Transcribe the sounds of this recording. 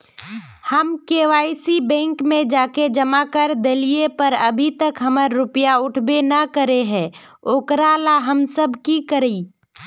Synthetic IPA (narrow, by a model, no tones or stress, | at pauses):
həmkeːʋaːisibɛ̃ːŋkmẽd͡ʒaːked͡ʒɐmakəɾd̪ɐliepəɾɐbʱit̪əkɦɐməɾːʊpjaʊʈʰbenɐkəɾeɦɛ̃ː | oːkɾalaɦəmsəbʱkikəɾiː